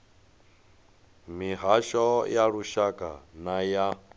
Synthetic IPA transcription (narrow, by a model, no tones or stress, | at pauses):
miɦaʃɔjaɺuʃakʼa̰naja